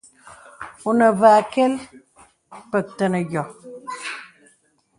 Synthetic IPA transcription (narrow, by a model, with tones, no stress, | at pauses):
u˨nə˨vaː˨kɛ˦l | pə˨k̚tə˨nə˨ɡjɔ˨